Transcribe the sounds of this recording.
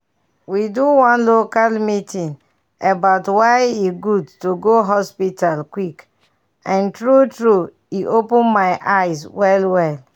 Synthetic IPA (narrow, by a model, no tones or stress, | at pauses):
widuwɔ̃nlokalmitĩn | ebaʊtwajiɡudtuɡoɦɔspitalkwik | ãntɹutɹu | iʔopũnmajʔajswɛlwɛl